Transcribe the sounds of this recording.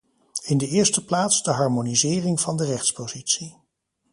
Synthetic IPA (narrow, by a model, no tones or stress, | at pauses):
ɪndəɪːɹstəplaːtzdəɦɑɹmonizɪːrɪŋvɑndərɛχtspozitsi